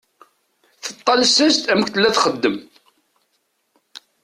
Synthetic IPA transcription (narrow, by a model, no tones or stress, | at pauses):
θət̪ˤːɑlsæst̪æmkt̪əlːæθχəd̪ːəm